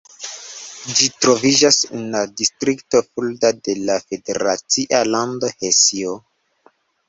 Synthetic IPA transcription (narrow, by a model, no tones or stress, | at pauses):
d͡ʒitɾo̞vid͡ʒasḛnladistɾikto̞fuldade̞lafe̞de̞̰ɾat͡siʔalando̞hesio